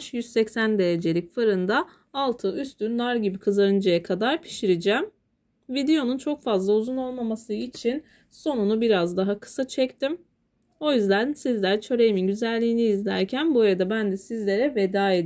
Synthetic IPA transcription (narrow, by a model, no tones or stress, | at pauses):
ʃjyz̥sɛcsænd̪e̞jed͡ʒe̞lʲicfɯɾɯnd̪aː | lˠt̪ʰɯʔyst̪ʰynd̪aɾɟibikʰɯzaɾɯnd͡ʒajakʰad̪aɾpʰi̥ʃiɾid͡ʒæm | vid̪e̞jo̞nunt͡ʃʰo̞kfazlˠauzuno̞lˠmamasɯit͡ʃʰin | so̞nunubiɾazd̪aɦakʰɯ̥sat͡ʃʰɛct̪im | o̞jyzd̪ænsizlʲæɾt͡ʃʰø̞ɾe̞jiminɟyzælʲːiːniːzlʲæɾcʰænbuaɾad̪abænd̪ɛsizlʲe̞ɾɛve̞d̪aːed̪